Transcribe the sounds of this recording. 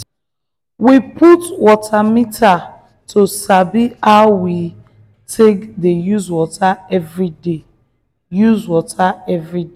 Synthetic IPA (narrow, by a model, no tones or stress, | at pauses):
wiputwɔtʰamita | tʰosabiaʊwi | tʰekdejuzwɔtʰaɛvɹide | juzwɔtʰaɛvɹid